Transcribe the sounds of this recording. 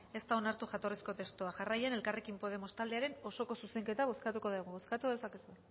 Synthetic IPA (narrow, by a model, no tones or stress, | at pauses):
e̞st̪ao̞naɾt̪uʝat̪o̞risko̞t̪e̞st̪uaʝarajane̞lkare̞kimpo̞ð̞e̞mo̞st̪ald̪eaɾe̞no̞so̞ko̞suse̞ŋke̞t̪aβ̞o̞skat̪uko̞ðeɣuβo̞skat̪uðe̞sake̞sue